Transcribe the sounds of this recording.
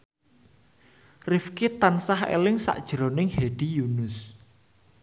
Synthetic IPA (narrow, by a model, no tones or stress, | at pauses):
rɪfkit̪ansahḛlɪŋsa̰ʔd̥ʒ̥ɾonɪŋheɖ̥ijunʊs